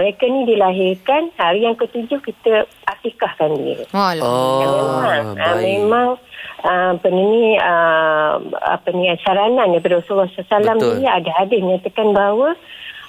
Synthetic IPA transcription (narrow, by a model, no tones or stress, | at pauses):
məɾekanidilaɦɪrkanhaɾijaŋkət̪ud͡ʒʊhkit̪ə | ʔat̪ikahkandḭə̰ | jaŋmemaŋəmemãŋəpənəniə | a̰pəniasaɾanandajp̬adəɾasulɔhsasalamdiɾiadaɦadɪhməɲat̪akanbaɦawə